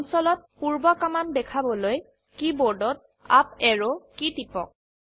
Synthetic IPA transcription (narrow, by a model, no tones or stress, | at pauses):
ɔnsɔlɔt̚puɹbɔkamandɛkʰabɔloj | kibɔɹdɔt̚ | a̰p̚ɛɹɔkitipɔ̰k̚